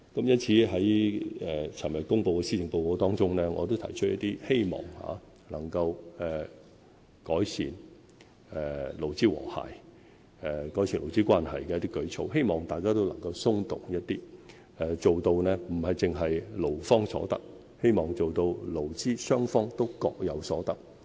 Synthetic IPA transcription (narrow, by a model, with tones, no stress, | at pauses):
kɐ˨˥mjɐ˥nt͡sʰiː˨˥ɦɐ˨˥jɛ˨t͡sʰɐ˨˩njɐ˨˩kʊ˥ŋpo˧wkɛː˧siː˥t͡sɪ˨ŋpo˧wkɔː˨˥t̪ɔː˥ŋt͡sʊ˥ŋnɛː˥ŋɔː˨˧t̪̬o˥wt̪ʰɐ̰˨˩jt͡ʃʰɵ˥t̚jɐ˥t̪iː˥he˥jmɔ̰ː˨˩ŋha̰ː˨˧˦ | lɐ˨˩ŋkɐ˧wɛː˨˩ | kɔː˨˥jsiː˨˩n | ɛ˨˧lo˨˩wt͡siː˥wɔ̰ː˨˩ha̰ː˨˩j | ɛ˧kɔ˨˥jsʰiː˨˩nlo˨˩wt͡siː˥kʷaː˥nhɐ̰˨˩jkɛː˧jɐ˥t̪̬ːiː˥kɵ˨˧ɥt͡sʰo˧˥wɦe˥jmɔː˨ŋt̪aː˨jkaː˥t̪o˥wlɐ˨˩ŋkɐ˧wsʊ˥ŋt̪ʊ˨˩ŋjɐ˥t̚t̪iː˥ | ɛ˨˧t͡so˨wt̪o˧wnɛː˥m̩˨˩hɐ˨jt͡sɪ˨ŋɦɐ˨jlo˨˩wfɔː˥ŋsɔ̰ː˨˧˥t̪ɐ˥k̚ | he˥jmɔː˨ŋt͡so˨wt̪o˧wlo˨˩wt͡siː˥sœː˥ŋfɔː˥ŋt̪o˥wkɔː˧k̚jɐ˨˧wsɔː˨˥t̪ɐ˥k̚